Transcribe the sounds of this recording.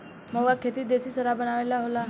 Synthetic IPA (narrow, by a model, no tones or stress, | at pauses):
məʋakʰet̪iːd̪esiːsəɾabəɽ̃aʋalaɦola